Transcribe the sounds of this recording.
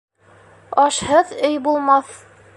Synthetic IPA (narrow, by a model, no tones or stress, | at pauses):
ɒʃhɤðɵjbulˠmɑθ